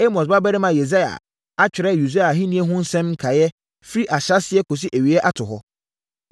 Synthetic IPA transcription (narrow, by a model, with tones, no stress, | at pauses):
e˦mɔ˨s̬ba˦bɛ˦ɾɪ˦mã˨je˨za˦ja̰˨ | a˦t͡ɕᶣɪ˨ɾɛ˦˨ju˨za˦a˨ɦĩ˦nĩ˦ɛ˦ɦʊ̃˦n̩˦sɛ̃˦m̩˦kʰa˨jɛ˦ | fi˦ɾi˦ʔa˨ɕa˦sɪ˨˦ɛ˦kʰo˨s̬i˦ʔæ˨ɥi˨ɛ˦ʔa˦tʰʊ˨ɦɔ˦